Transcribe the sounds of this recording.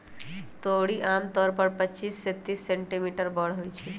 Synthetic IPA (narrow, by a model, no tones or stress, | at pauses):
t̪oɽiʔaːmt̪ɔːɾpəɾpət͡ʃiːsːet̪iːsːẽɳʈimiʈəɾbɔɽɦojt͡ʃʰi